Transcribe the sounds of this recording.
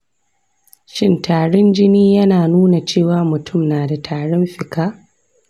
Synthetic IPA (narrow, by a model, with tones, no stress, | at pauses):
ʃɪ˦ntaː˨ɽɔ˦nd͡ʒɪ˦niː˦jɐ˦naː˨nuː˦na˨t͡ʃeː˦˨waː˨mʊ˨tʰʊ˦˨mnaː˨da˨tʰaː˨ɽɔ˦mɸɪ˨kaː˦